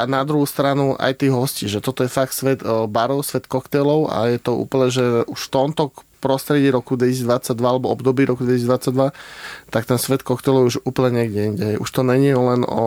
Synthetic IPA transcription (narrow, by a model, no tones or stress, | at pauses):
ʔanad̪ɾuɦust̪ɾanua̰jt̪iːɦɔsciʒɛt̪ɔt̪ɔjɛfak̚t̪sʋɛt̪baɾɔʊsʋɛt̪kɔkt̪ɛlɔʊa̰jɛt̪ɔṵːpl̩ɲɛʒɛuʃft̪ɔmt̪ɔpɾɔst̪ɾɛɟɪiɾɔkud̪ʋɛcisizd̪ʋat͡saɟ̚d̪ʋaalɛbɔɔbd̪ɔbiːɾɔkud̪ʋɛcisizd̪ʋat͡sːaɟd̪ʋat̪akt̪ɛnsʋɛt̪kɔkt̪ɛlɔʊuʒuːpl̩ɲɛɲɛɡɟɛiɲɟɛɦɛjuʃt̪ɔɲɛɲiulɛnɔ̰